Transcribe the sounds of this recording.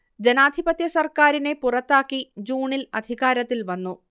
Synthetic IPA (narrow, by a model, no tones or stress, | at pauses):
d͡ʑenaːd̪ʱibɐt̪jɐsɐrkaːɾine̞purɐt̪ːaːkːid͡ʑuːɳilɐ̰d̪ʱiɣaːɾɐt̪ːilʋɐnːu